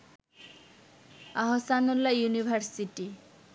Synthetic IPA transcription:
aɦosanulːajunibʱaɾsiʈi

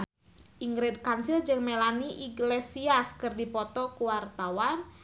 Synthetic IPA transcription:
ʔiŋɡɾɪd̚kansild͡ʒɨŋmelaniʔiɡlesiaskɨrdipɔt̪ɔkuwart̪awan

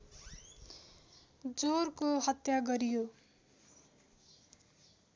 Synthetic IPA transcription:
d͡zorkoɦʌt̪jaɡʌɾijo

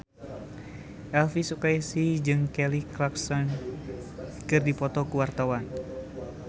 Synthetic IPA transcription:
ʔɛlfisukajisid͡ʒɨŋkɛliklaksɔn | kɨrdipɔt̪ɔkuwart̪awan

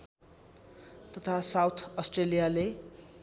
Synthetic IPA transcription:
t̪ʌt̪ʰasawt̪ʰʌsʈrelijale

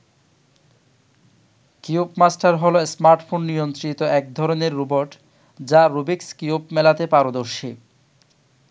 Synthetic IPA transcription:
kiubmasʈaɾɦɔloesmaɾʈfʰonːijont̪ɾit̪oɛk̚d̪ʱɔɾoneɾːuboɾʈ | d͡ʑaɾubikskiubmɛlat̪epaɾod̪oɾʃi

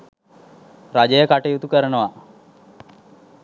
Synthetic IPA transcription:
rad͡ʒəjəkaʈəjut̪ukəɾənəʋa

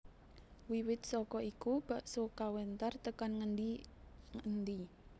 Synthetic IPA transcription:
wiwɪt̪̚sɔkɔikub̥a̤ʔsokawənt̪art̪əkanŋədi | ŋənd̪i

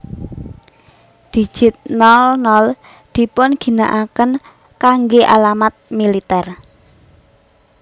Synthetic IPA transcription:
d̪̥i̤d̥ʒ̥ɪt̪̚nɔlnɔl | d̪̥i̤pʊnɡ̥i̤na̰ʔakən | kaŋɡeʔa̰lamat̪̚milit̪ɛr

